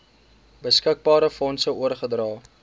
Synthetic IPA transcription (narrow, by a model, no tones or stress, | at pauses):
bəskək̚bɑːɾəfɔnsəuərχədrɑː